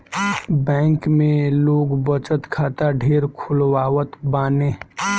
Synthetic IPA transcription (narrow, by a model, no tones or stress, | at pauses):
bɛ̃ːŋkmẽloːɡbət͡ʃət̪kʰaːt̪aɖʱeːɾkʰʊlwaːwət̪baːnẽː